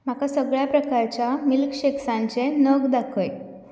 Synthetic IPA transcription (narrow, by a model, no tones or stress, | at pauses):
m̤akasəɡɭjapɾəkaɾt͡ɕjamilkɕeksãɲt͡senəɡd̪akʰəj